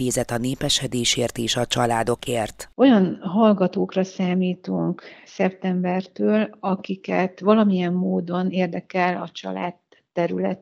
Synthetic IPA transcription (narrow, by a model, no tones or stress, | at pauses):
eːzɛt̪ɒneːpɛʃɛd̪eːʃeːrt̪eːʃɒt͡ʃɒlaːd̪o̞kʰeːrt̪o̞jɒnɦɒlɡɒt̪oːkrɒsaːmiːt̪uŋksɛp̚t̪ɛmbɛrt̪øːlɒkikɛt̪ʋɒlɒmijɛmːoːd̪o̞neːrd̪ɛkɛlɒt͡ʃɒ̰la̰ːt̪ː | ɛɾylɛt̪